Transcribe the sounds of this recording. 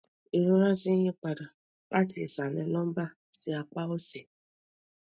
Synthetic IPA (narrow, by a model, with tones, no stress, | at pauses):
e˨ɾo˦ɾa˦zi˦ɲe˦kʷa˨dɔ˨ | ka˦tɪ˨sa˨nɛ˨lɔ˦m̩˦ba˦ | sɪ˨a˨k͡pa˦o˦si˨